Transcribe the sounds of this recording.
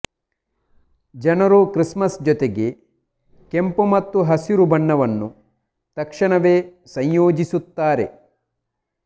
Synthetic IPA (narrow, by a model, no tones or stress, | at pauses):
d͡ʒɐnɐɾukɾismɐsd͡ʒɔt̪eɡe | kempumɐt̪ːuɦɐsiɾubɐɳːɐʋɐnːu | t̪ɐkʂɐɳɐʋeː | sɐɲjoːd͡ʒisut̪ːaːɾe